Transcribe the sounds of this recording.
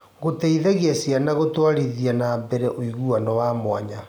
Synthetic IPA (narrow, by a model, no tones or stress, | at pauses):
ɣotɛiðɛɣeasjanaɣotwaɾiðianabɛɾɛʔoiɣuanɔwamwaɲa